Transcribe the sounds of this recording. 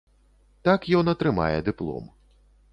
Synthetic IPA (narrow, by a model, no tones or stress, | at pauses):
t̪akjɔnɐt̪ɾɨma̰jɛd̪ɨplˠɔ̰m